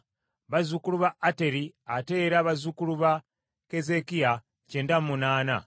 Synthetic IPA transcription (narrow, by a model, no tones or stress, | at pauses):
βazukuluβaːte̞ɾiate̞ːɾaβazukuluβa | ke̞zekija | ceːndamunaːna̰